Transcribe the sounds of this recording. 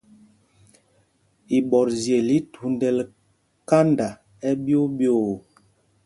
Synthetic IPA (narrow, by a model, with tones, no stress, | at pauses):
i˨ɓɔ˨ɾzje˨li˦tʰu˨ndɛ˨l | ka˦nda˨ | ɛ˦bjo˦bjo˦˨